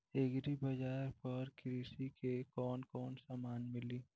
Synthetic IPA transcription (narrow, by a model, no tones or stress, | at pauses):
ekɾibɐd͡ʒaːɾpɐɾkɾiːsikekɔːnkɔːnsaːmaːnmɪliː